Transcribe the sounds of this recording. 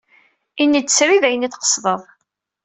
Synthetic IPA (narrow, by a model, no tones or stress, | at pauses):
inːid̪ːsɾiðæjəniθqə̥sˤðˤəðˤ